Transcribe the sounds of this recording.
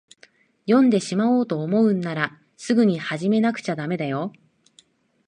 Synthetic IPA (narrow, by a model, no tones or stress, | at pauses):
jõ̞nd̪e̞ɕimao̞ːt̪o̞ːmo̞ɯ̟nːaɾa | sɨɡɯ̟ɲ̟ihaʑime̞nakɯ̟̥t͡ɕad̪ame̞d̪ajo̞